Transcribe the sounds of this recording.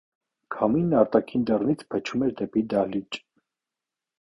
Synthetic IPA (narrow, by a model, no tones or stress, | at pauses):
kʰɑminːɑɾt̪ɑkʰind̪ərnit͡sʰpʰət͡ʃʰumɛɾd̪ɛpid̪ɑlit͡ʃʼ